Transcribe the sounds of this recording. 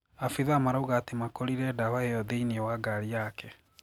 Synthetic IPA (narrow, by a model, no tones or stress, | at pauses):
afiðamaɾauɣaːtemakoɾiɾɛdahaejɔðeiniɛwaɡaɾiakɛ